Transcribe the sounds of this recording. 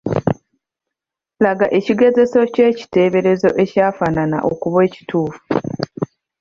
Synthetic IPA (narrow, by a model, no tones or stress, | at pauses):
laɡaʔe̞ciɡe̞ze̞so̞ce̞ːci̥te̞ːβe̞ɾe̞zo̞ʔe̞caːfanana̰ʔo̞̰kuβwe̞ːci̥tuːfu̥